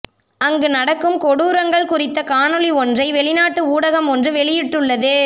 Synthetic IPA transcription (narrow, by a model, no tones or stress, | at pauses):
ɐŋɡɯnɐɽɐkːɯmkɔɽuːɾɐŋɡɐɭkʊrɪt̪ːɐkaːnɯliɔndrɐɪʋɛɭɪnaːʈːɯuːɽɐɣɐmɔndrɯʋɛɭɪjɪʈːɯɭːɐðɯ